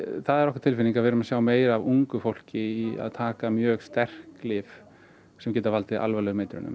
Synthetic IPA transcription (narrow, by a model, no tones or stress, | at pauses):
θaðɛɾɔhkḁɾt̪ʰɪlfɪniŋkavɛɾʏmasjaːwmeːjɾavuŋkʏfowl̥cɪia̰ðt̪ʰaːkamjœːɣst̪ɛr̥klɪːf | sɛmcɛːt̪avalt̪ɪʔa̰lvalɛːɣʏmeːjt̪ɪɾʏ̰nʏ̰m